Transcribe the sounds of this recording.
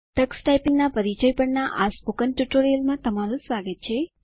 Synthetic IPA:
t̪əksʈajpiŋnapəɾit͡ʃəjpəɳnaʔaspukənʈjuʈoɾijəlmãt̪əmaɾũsaɡət̪̚t͡ʃʰe

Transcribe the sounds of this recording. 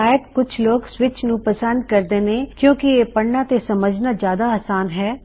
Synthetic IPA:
aːjət̪kʊt͡ʃʰloːɡswɪt͡ʃnũpɐsə̃nd̪̚kɐɾd̪eːnekjõːkijepəɽnat̪esɐməd͡ʒnazjaːd̪aaːsaːnɦɛː

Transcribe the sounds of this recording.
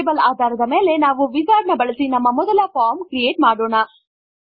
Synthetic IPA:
bɐlaːd̪ʱaːɾɐd̪ɐmeːle̞naːʋuʋizaːɾnɐbɐɭɐsinɐmːɐmɔd̪ɐlɐpaːɾmkɾieːʈ̚maːɽoːɳɐ

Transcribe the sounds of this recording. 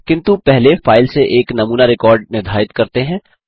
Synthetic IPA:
kɪ̃nt̪upɛɦlefaːɪlseʔeːknɐmuːnaɾɪkɔːɾɖnɪɾd̪ʱaːɪt̪kɐɾt̪eɦɛ̃ː

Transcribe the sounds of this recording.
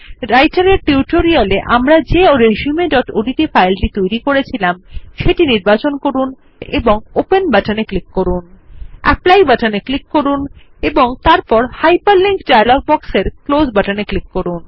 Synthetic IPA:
ɾajʈaɾeɾʈiuʈoɾialeʔamɾad͡ʑeoɾeʃiumeɖɔʈoɖiʈifajlʈit̪ojɾikoɾet͡ɕʰilamʃeʈiniɾbat͡ɕonkoɾun | ḛboŋopenbaʈaneklikːoɾunɛ̰plajbaʈaneklikːoɾun | eboŋt̪aɾpɔɾhajpaɾliŋkɖajaloɡ̚bɔkseɾklod͡ʑbaʈaneklikːoɾun

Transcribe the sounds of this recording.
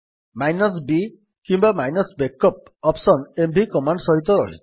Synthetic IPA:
majnɔs̬bi | kimbamajnɔsbekːɔp̚ | ɔpsɔnembʱikɔmaɳɖsɔɦit̪̬ɔɾɔ̰ɦḭ

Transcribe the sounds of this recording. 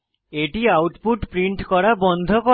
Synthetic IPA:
eʈiawʈpuʈpɾiɳʈkɔɾabɔnd̪ʱoko

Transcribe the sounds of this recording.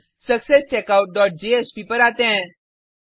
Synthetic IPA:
səksest͡ʃekaʊʈ̚ɖɔːʈ̚d͡ʒeespiːpəɾaːt̪ɛ̃

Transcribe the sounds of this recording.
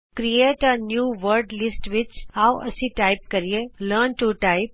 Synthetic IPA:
kɾieːʈənjuːʋəɾɖlɪsʈʋɪt͡ʃawɐsĩʈaɪp̚kəɾieləɾnʈuʈaɪp̚

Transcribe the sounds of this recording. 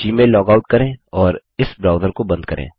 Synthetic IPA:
d͡ʒiːmeːlːɔːɡaːʊʈ̚kɐɾẽːɔːɾ | ɪsbɾaːʊd̪əɾkobɐ̃nd̪̚kɐɾʔḛ̃ː

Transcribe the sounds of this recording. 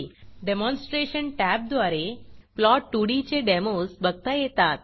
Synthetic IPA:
ɖemɔnsʈɾeɕənʈæb̚d̪ʋaɾeplɔʈːuɽit͡ɕeɖɛmosbəɡ̚t̪ajɛt̪at̪̚

